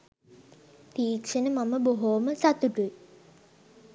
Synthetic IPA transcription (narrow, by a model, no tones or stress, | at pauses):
t̪iːkʃenəmaməboɦoːməsat̪uʈui